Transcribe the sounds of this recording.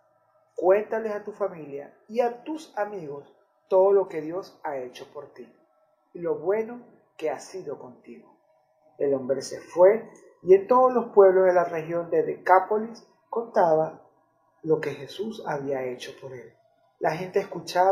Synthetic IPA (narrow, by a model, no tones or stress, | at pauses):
kwe̞nt̪ale̞sat̪ufamilja̰ | iat̪usamiɣo̞s | t̪o̞ðolo̞ke̞ðjo̞sae̞t͡ʃo̞po̞ɾt̪iː | lo̞βwe̞no̞ | ke̞asiðo̞ko̞nt̪iɣo̞ | elo̞mbɾe̞se̞̰fwe̞ | ie̞nt̪o̞ð̞ozlo̞spwe̞β̞lozðelarexjo̞nd̪e̞ðekapo̞lis | ko̞nt̪aβa | lo̞ke̞xe̞susaβiae̞t͡ʃo̞po̞ɾe̞lː | axe̞nt̪e̞ːskut͡ʃa